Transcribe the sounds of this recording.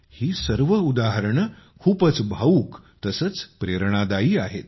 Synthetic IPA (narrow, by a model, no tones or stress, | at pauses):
hiːsəɾʋəud̪aɦəɾɳ | kʰuːpət͡sbʱauːk | t̪əsət͡spɾeɾɳ̃ad̪aiːaɦet̪̚